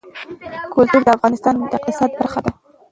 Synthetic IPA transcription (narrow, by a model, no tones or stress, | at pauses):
kʊlt̪uɾd̪əafɣɑnɪst̪ɑnd̪əɪq̚t̪ɪsɑd̪̚baɾxad̪a